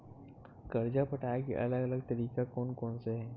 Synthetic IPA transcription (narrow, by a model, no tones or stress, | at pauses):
kɐɾd͡ʒapɐʈʰaːekḛʔɐ̰ləɡɐləɡt̪ɐɾiːkakɔːnkɔːnseɦɛ̃ː